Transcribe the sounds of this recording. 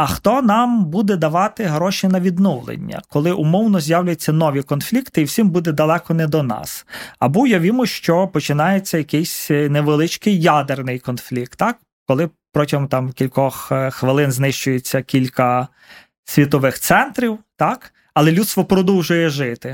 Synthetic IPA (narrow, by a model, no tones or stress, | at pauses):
ɐxt̪ɔnɑmbud̪ɛd̪ɐʋɑt̪ɪɦɾɔʃinɐʋʲid̪nuwlˠḛnʲːɐ̰kɔlˠɪʔʊmɔwnɔzʲjawlʲʊjt͡sʲːɐnɔʋʲikɔnflʲikt̪ɪiwsʲimbud̪ɛd̪ɐlˠɛkɔnɛd̪ɔnɑ̰sɐbujɐʋʲimʊʃt͡ʃɔpɔt͡ʃɪnɑjet͡sʲːɐjɐkɪjsʲneʋelˠɪt͡ʃkɪjːad̪ernɪjkɔnflʲik̚t̪ːɑk | kɔlˠɪpɾɔtʲɐɦɔmt̪ɑmkʲilʲkɔxxʋɪlˠɪnznɪʃt͡ʃʊjet͡sʲːɐkʲilʲkɐ | sʲʋʲit̪ɔʋɪxt̪sɛnt̪ɾʲiwt̪ɑk | ɐlˠɛlʲut̪st̪ʋɔpɾɔd̪uwʒʊjɛʒɪt̪ɪ